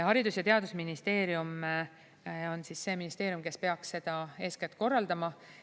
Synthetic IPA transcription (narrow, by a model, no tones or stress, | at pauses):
hɑɾid̪usjɑt̪e̞ɑd̪usminist̪e̞ːɾijum | o̞nsisːe̞ːminist̪e̞ːɾjumke̞spe̞ɑksse̞d̪̥ɑe̞ːsket̪̚ːˑko̞rːɑld̪ɑmɑ